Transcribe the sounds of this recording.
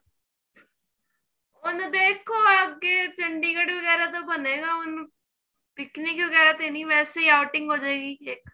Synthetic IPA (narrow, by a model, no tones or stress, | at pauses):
ʊnd̪eːkʰoːəɡeːt͡ʃəɳɖiːkəɽʋəɡɛːɾaːt̪oːbəneːɡaːʊn | pɪknikʋəɡɛːɾaːt̪eːnĩːʋɛːseiːaʊʈɪŋɡɦoːd͡ʒaeːɡiːkeːk